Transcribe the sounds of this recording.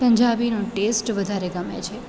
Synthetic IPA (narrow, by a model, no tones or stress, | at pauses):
pəɲd͡ʒabinũʈesʈʋəd̪ʱaɾeɡəmḛt͡ʃʰe